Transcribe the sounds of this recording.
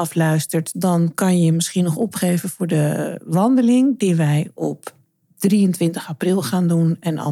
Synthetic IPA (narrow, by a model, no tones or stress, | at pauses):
ɑflœɥstəɹtdɔnkɑnjəmɪsχiənɔχɔpχeːvənv̥ʊːɹdəʋɑndəlɪŋdiʋɛjɔ̰p | d̥riəntʋɪntəχaprɪlˠχaːndunɛnɑ̰